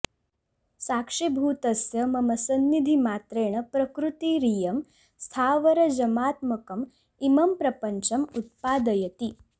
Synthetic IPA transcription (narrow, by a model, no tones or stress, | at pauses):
sakʂibʱuːt̪ɐsjɐmɐmɐsɐnːid̪ʱimaːt̪ɾeːɽ̃ɐpɾɐkɾut̪iɾijɐm | st̪ʰaːʋɐɾɐd͡ʒɐmaːt̪mɐkɐm | imɐmpɾɐpəɲt͡ʃɐmut̪̚paːd̪ɐjɐt̪i